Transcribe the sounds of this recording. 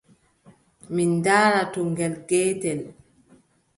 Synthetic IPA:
mindaːɾatɔŋɡɛlɡɛːtɛl

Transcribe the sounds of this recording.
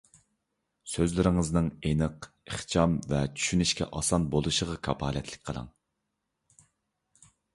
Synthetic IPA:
søzlɪɾɪŋɨznɨŋenɨq | eχt͡ʃʰɑmvɛt͡ʃʰy̥ʃynyʃkʲɛ̰ʔɑsɑnbolˠuʃəʁɑkʰɑpʰɑ̰ːlɛt̪ʰlɪ̥kʲqʰəlˠɑ̰ŋ

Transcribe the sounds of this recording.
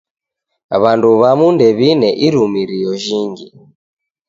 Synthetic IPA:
βanduβamundɛβinɛʔiɾumiɾijɔʒiŋɡi

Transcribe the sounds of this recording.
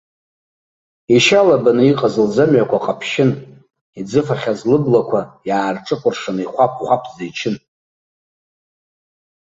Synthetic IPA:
iʃalabanɨiqʼazɨld͡zamʕakʷʰaqʼapʰʃɪn | id͡zɨfaχʲazlɨblakʷʰajaːrʈ͡ʂʼɨqʷʼʊrʂanɨiχʷap̚ʰʷʼχʷapʷʰzait͡ʃʰɪn

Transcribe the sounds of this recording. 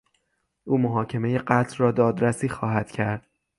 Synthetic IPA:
ʔuːmoɦɒːcʰe̞me̞je̞ɢæt̪ʰlrɒːd̪ɒːd̪ɾæsiːxɒːɦæd̪̥cʰæɾd̪̥̚

